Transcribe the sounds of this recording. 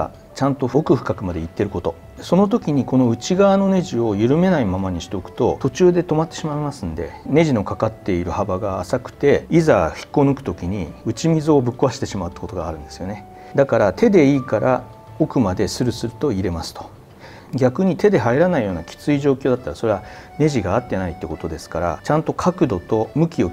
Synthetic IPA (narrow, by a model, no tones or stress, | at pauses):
t͡ɕãnt̪o̞okɯ̟ɸɯ̟̥kakɯ̟mad̪e̞it̪ːe̞ɾɯ̟ko̞t̪o̞ | so̞no̞t̪̬o̞kʲiɲ̟iko̞no̞ɯ̟t͡ɕiɡaβano̞ne̞ʑio̞jɯ̟ɾɯ̟me̞naimamaɲ̟iɕi̥t̪e̞okɯ̟̥t̪o̞t̪o̞t͡ɕɨːd̪e̞t̪o̞mat̪ːe̞ɕimaimasɨ̃nd̪e̞̰ne̞ʑino̞kakat̪ːe̞iɾɯ̟habaɡaːsakɯ̟̥t̪e̞izaçi̥kːo̞nɯ̟kɯ̥t̪o̞kʲiɲ̟iɯ̟t͡ɕimʲizo̞ːbɯ̟kːoaɕi̥t̪e̞ɕimaɯt̪ːḁko̞t̪oɡa̰ːɾɯ̟̃nd̪e̞sɨjo̞ne̞ | d̪akaɾat̪ʰe̞d̪e̞iːkaɾʔa | o̞kɯ̟mad̪e̞sɨɾɯ̟sɨɾɯ̟t̪o̞iɾe̞masɨ̥t̪o̞̥ | ɡʲakɯ̟ɲ̟it̪e̞d̪e̞ɦaiɾanaijo̞ːnakʲi̥t͡sɨiʑo̞ːkʲo̞ːd̪at̪ːaɾaso̞ɾe̞a | ne̞ʑiɡaːt̪ːe̞nait̪ːeiko̞t̪o̞d̪e̞sɨ̥kaɾa̰t͡ɕãnt̪o̞kʰakɯ̟d̪o̞t̪o̞mɯ̟kʲio̞